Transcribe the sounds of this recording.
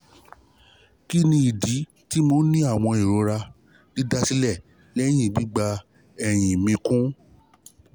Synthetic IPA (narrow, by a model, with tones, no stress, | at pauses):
ki˦nĩ˧i˨di˨˦ | ti˦mo˧˦nĩ˦a˦˨w̃ɔ̃˧i˨ɾo˨˧ɾa˧ | di˨˦da˧si˦lɛ˦˨ | lɛ˦j̃ĩ˦˨ɡ͡bi˦ɡ͡ba˧ | ɛ˨j̃ĩ˨mĩ˧kũ˦